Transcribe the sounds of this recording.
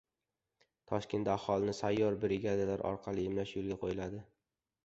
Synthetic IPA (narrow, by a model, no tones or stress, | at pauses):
t̪ʰɒʃkʲʰe̞nt̪ahɒlˠɪnɪsajːɒɾbɪɾɪɡʲad̪alaɾʔɒ̰ɾqʰɑlˠɪɪmlaʃjolˠɡʲaqʰojɪlad̪ɪ